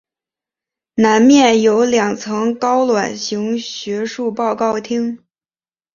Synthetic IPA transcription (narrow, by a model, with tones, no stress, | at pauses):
na˧˥nmjɛ˥˩njo˧˥ʊljɑ˨˩ŋt͡sʰɤ˧˥ŋkɑ˥ʊlwa˨˩nɕi˧˥ŋɕɥɛ˧˥ʂu˥˧pɑ˥˧ʊkɑ˥˩ʊt̪ʰi˥ŋ